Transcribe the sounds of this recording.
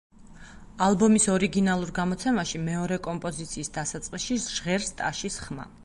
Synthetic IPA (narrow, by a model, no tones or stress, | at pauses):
alˠbɔmisɔɾiɡinalˠuɾɡamɔt̪sʰɛmaʃimɛɔɾɛkʼɔmpʼɔzit̪sʰiːsd̪asat̪sʼqʼisʃiʒ̥ʁɛɾst̪ʼaʃisχma̰